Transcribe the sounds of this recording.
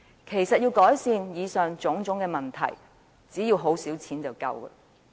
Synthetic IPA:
kʰe˨˩jsɐ˨t̚jiː˧wkɔː˨˥jsiː˨˧njiː˨˧sœː˨ŋt͡sʊ˨˥ŋt͡sʊ˨˥ŋkɛː˧mɐ˨˩nt̪ʰɐ̰˨˩j | t͡siː˨˥jiː˧wɦo˨˥wsiː˨˥wt͡sʰiː˨˥nt͡sɐ˨wkɐ̰˧wə̰˨

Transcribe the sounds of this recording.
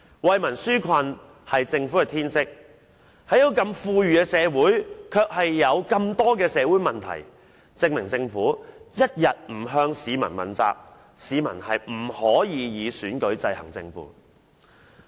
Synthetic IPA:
wɐ˨jmɐ˨˩nsyː˥kʷʰɐ˧n | hɐ˨jt͡sɪ˧ŋfu˨˥kɛ˨˧t̪ʰiː˥nt͡sɪ˥k̚ | hɐ˨jjo˨˧wkɐ˧mfuː˧jyː˨kɛ˧˥sɛː˨˧wuː˨˥jkʰœː˧k̚hɐ˨jːɐ˨˧wkɐ˧mt̪ɔː˥k̬ɛː˧sɛː˨˧wuː˨˥jmɐ˨nt̪ʰɐ̰˨˩j | t͡sɪ˧k̚mɪ˨˩ŋt͡sɪ˧ŋfuː˨˥jɐ˥t̚jɐ˨t̚m̩˨˩ɦœː˧ŋsiː˨˧mɐ˨˩nmɐ̰˨˩nt͡sa̰ː˧k̚ | siː˨˧mɐ̰˨˩nhɐ˨jm̩˨˩hɔː˨˥jiː˨˧jiː˨˧syː˨˥nkɵ˨˥ɥt͡sɐ˧jhɐ̰˨˩ŋt͡sɪ˧ŋfṵː˨˥

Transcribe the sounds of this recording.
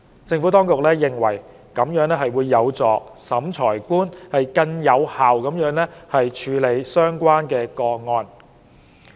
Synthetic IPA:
t͡sɪ˧ŋfu˨˥t̪ɔː˥ŋkʊ˨k̚lɛː˥jɪ˨˩ŋwɐ̰˨˩j | kɐ˨˥mjœː˨˥ŋlɛː˥ɦɐ˨jwuː˨˧jːɐ˨˧wt͡sɔː˨˩sɐ˨˥mt͡sʰɔː˨˩jkuː˥nhɐ˨jkɐ˧ŋjɐ˨˧whaː˨wkɐ˨˥mjœː˨˥ŋlɛ˥hɐ˨jt͡ʃʰyː˨˧le˨˧jsœː˥ŋkʷaː˥nkɛː˧kɔː˧ŋɔː˧n

